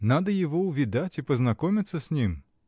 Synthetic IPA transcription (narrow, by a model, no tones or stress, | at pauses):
nad̪ɐjɐʋɔwvʲid̪at͡sʲipɐznakɔmʲɪt̪sːɐsʲnʲim